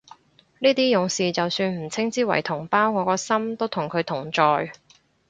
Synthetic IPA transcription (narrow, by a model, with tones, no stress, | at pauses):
niː˥t̪iː˥jʊ˨˧˥ŋsiː˨t͡sɐ˨wsyː˧nm̩˨˩t͡sʰɪ˥ŋt͡siː˥wɐ̰˨˩jt̪ʰʊ˨˩ŋpaː˥wŋɔː˨˧kɔː˧sɐ˥mt̪o˥wt̪ʰʊ˨˩ŋkʰɵ˨˧ɥt̪ʰʊ˨˩ŋt͡ʃɔː˨j